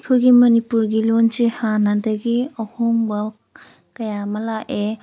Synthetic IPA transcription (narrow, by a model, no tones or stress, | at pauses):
kʰojɡimɐnipuɾɡilonsehanadɐɡiɐhoŋbɐ | kɐjamɐlaʔe